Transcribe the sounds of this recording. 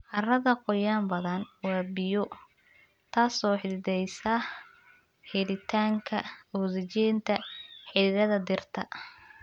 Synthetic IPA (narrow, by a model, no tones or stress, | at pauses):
ʔɑrɐðɐqɔjaːmbɐðɐnwɑːbɪjɔ | t̪ʰaːsɔːħɪðɪðɛjsɐ | ħɛlɪt̪ʰaːŋkʰɐɔːðɛt͡ʃɛːnt̪ʰɐħɪðɪðɐðɐd̪ɪrt̪ʰɐ̰